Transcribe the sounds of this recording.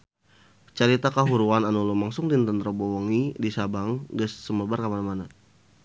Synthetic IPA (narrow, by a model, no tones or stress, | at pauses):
t͡ʃaɾit̪akaɦuɾuananulumaŋsʊŋdint̪ənt̪ɾəbowɔŋidisabaŋɡəsːəməbarkamanmana